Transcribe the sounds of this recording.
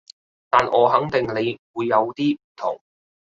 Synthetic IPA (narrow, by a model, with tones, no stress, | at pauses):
t̪aː˨nʔɔː˨˧ɦɐ˨˥ŋt̪ɪ˨ŋle˨˧jwuː˨˧jːɐ˨˧wt̪iː˥m̩˨˩t̪ʰʊ̰˨˩ŋ